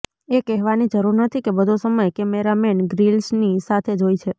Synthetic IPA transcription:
ekɛɦʋanid͡ʒəɾuɾnət̪ʰikebəd̪ʱosəməjkɛmeɾameɳɡɾilsnisat̪ʰed͡ʒojt͡ʃʰe

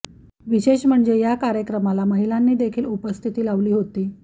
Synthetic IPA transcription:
ʋiɕeɕm̤əɳd͡zejakaɾjəkɾəmalaməɦilanːiːd̪ekʰiːlupəst̪ʰit̪iːlaʋliːɦot̪iː

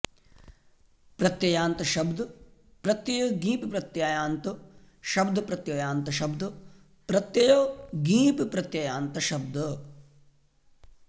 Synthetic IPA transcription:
pɾɐt̪jɐjaːnt̪ɐʃɐbd̪upɾɐt̪jɐjoːɡiːpipɾɐt̪jaːjaːnt̪u | ʃɐbd̪ɐpɾɐt̪jɐjaːnt̪ɐʃɐbd̪ɐ | pɾɐt̪jɐjoːɡiːpipɾɐt̪jɐjaːnt̪ɐʃɐbd̪ɐ

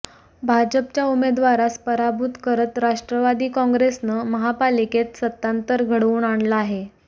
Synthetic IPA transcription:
bʱad͡ʑəp̚t͡ɕjaumed̪ʋaɾaspəɾabud̪kəɾət̪ɾaʂʈɾəʋad̪iːkɔ̃ŋɡɾesnəməɦapaliket̪sət̪ːant̪əɾɡʱəɽuːnaɳlaːɦe

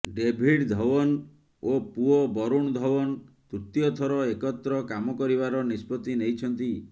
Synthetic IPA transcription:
ɖebʱiɖd̪ʱɔwɔn | opuɔbɔɾuɳd̪ʱɔwɔnt̪ut̪jɔt̪ʰɔɾɔekɔt̪ːɾɔkamɔkɔɾibaɾɔnispɔt̪inejt͡ʃʰɔnt̪i

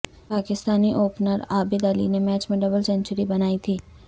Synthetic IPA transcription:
paːkɪst̪aːniʔoːpnəɾaːbɪd̪ɐlḭnemɛːt͡ʃmẽɖɐbəlsɛ̃nt͡ʃʊɾibɐnaːit̪ʰiː

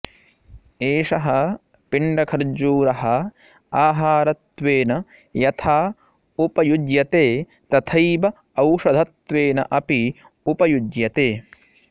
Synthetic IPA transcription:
eːʂɐɦɐ | piɳɖɐkʰɐɾd͡ʒuːɾɐɦɐ | aːɦaːɾɐt̪ʋeːnɐ | jɐt̪ʰaː | upɐjud̪jɐt̪eː | t̪ɐt̪ʰɐjbɐ | ɐwʂɐd̪ʱɐt̪ʋeːnɐ̰ʔɐpi | upɐjud̪jɐt̪eː

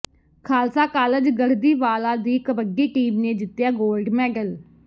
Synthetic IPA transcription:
kʰaːlsaːkaːləd͡ʒɡəɽd̪iːʋaːlaːd̪iːkəbəɡiːʈiːmneːd͡ʒɪt̪ːjaːɡoːlɖmɛ̃ːɡəl

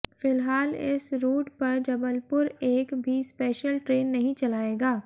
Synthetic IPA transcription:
fɪlɦaːlɪ̰sɾuːʈpɐɾd͡ʒɐbəlpʊɾeːkbʱispeːʃəlʈɾeːnːɐɦĩt͡ʃɐlaːeːɡaː

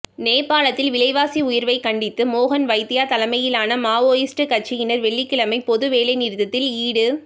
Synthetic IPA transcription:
neːpːaːlɐt̪ːɪlʋɪlɐɪʋaːsiʊjɪɾʋɐɪkɐɳɖɪt̪ːɯmoːɣɐnʋɐɪt̪ːɪjaːt̪ɐlɐmɐjɪlaːnɐmaːʋoːjɪsʈɯkɐʈ̚t͡ʃɪjɪnɐɾʋɛɭːɪkːɪɭɐmɐɪpɔðɯʋeːlɐɪnɪɾðɐt̪ːɪliːɽɯ

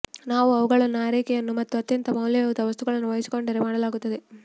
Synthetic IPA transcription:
naːʋuɐʋuɡɐɭɐnːaːɾiːkɛjɐnːumɐt̪ːuɐt̪jɐnt̪ɐmɐwljɐjɐʋud̪ɐʋɐst̪uɡɐɭɐnːuʋɐjisi̥ko̞ɳɖɐɾemaːɽɐlaːɡut̪ːɐd̪e

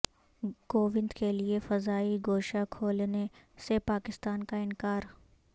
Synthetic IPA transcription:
koːʋɪ̃nd̪keliefɐzaːiɡoːʃakʰoːlnesepaːkɪst̪aːnkaɪnkaːɾ

